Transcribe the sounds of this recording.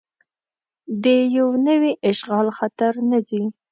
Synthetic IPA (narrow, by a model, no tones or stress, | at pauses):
d̪əjawnəwiʔɪʃɣɑlxat̪aɾnad̪i